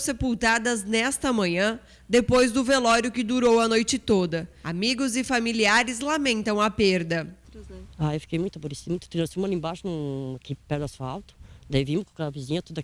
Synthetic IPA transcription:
sepuwt̪ad̪ɐznɛst̪ɐmɐ̃ɲɐ̃ | d̪epojzd̪ʊvelɔɾjʊkɪd̪uɾowɐnojt͡ʃɪt̪od̪ɐamiɡʊzɪfamiliaɾɪzlamẽnt̪ɐ̃w̃ɐpeɾd̪ɐ | aewfi̥kejmũj̃t̪ɐboɾesidmũt̪ʊt̪inɐ̃sĩũmɐlĩbaʃʊnũakipɛɾd̪asfawt̪ʊ̥d̪aivĩmʊkõkaapizĩɲɐt̪od̪ɐ

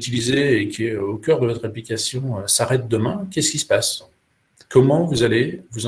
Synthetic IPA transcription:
t̪ilizeːkʲʰiøokʲœʁd̪əvɔt̪χaplikʲasjɔ̃øsaʁɛt̪̚d̪əmɛ̃kʲɛsə̥kʲisə̥pas | kɔmɑ̃vuzalevuz

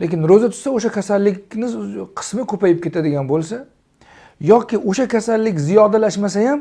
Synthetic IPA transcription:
lʔekʲɪnɾɵzat̪ʰʊ̥saoʃakʲʰasalːɪkʲnɪqʰɨ̥smɪkʰɵpajɪp̚kʲe̞t̪ʰad̪ɪɡʲanbolˠsa | jɒkʲɪʔoʃakʲʰasalːɪkʲzijɒd̪alaʃmasajam

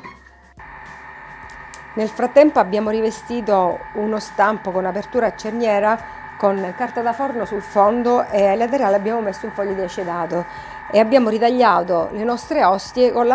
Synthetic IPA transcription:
nelfɾat̪ːɛmpoabːjaːmoɾivest̪iːt̪ounost̪ampokonapert̪uːɾat͡ʃːernjɛːɾa | konkart̪ad̪afɔrnosulfond̪oʔelat̪eɾeaːleabːjaːmomesːouɱfɔʎːod̪iat͡ʃːed̪aːt̪o | eabːjaːmoɾit̪aʎːaːt̪olenɔst̪ɾeɔst̪jekonla

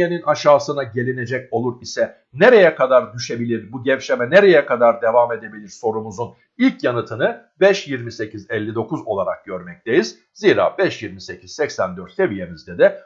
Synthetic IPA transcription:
e̞ninaʃaːsɯnaɟe̞lʲine̞d͡ʒɛco̞lˠuɾisɛ | neɾe̞jɛkʰad̪aɾd̪yʃe̞bilʲiɾbuɟɛvʃemɛneɾejɛkʰad̪aɾd̪e̞vame̞d̪e̞bilʲiɾso̞ɾumuzun | ilʲcʰjanɯt̪ʰɯnɯ | bɛʃjiɾmise̞cʰizɛlʲːid̪o̞kuzo̞lˠaɾak̚ɟ̥øɾmɛc̚t̪ʰejiz | ziːɾa̰ːbɛʃjiɾmise̞cʰiz̥sɛcsænd̪øɾt̪sevije̞mizd̪ɛd̪ɛ

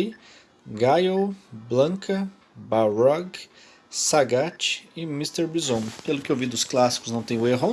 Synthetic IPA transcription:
ɡajoblɐ̃ŋkɐ | baɾɔɡ | saɡat͡ʃɪ̥ɪmist̪eɾbizõw̃pelʊkɪewvid̪ʊsklasi̥kʊznɐ̃w̃t̪ẽj̃ʊeɦõ

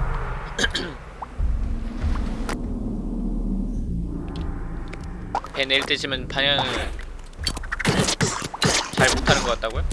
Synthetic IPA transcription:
peneɭt͈eɕʰimjʌnpʰaɲʌŋɯ | t͡ɕaɭmotʰanɯnɡʌk͈at͈̚aɡojo

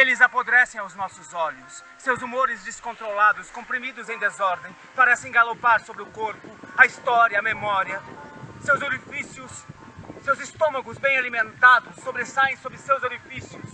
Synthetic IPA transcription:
elɪzapod̪ɾɛsẽj̃awznɔsʊzɔʎʊsːewzumoɾɪzd͡ʒ̪iskõnt̪ɾolad̪ʊskõpɾimid̪ʊzẽj̃d̪ezɔɾd̪ẽj̃paɾɛsẽɡalopaɾsobɾɪʊkoɾpʊɐist̪ɔɾjɐːmemɔɾiɐsewzoɾifisjʊsː | ewzɪst̪õmɐɡʊzbẽj̃alimẽnt̪ad̪ʊsːobɾesaẽj̃sobɾɪsewzoɾifisiʊs

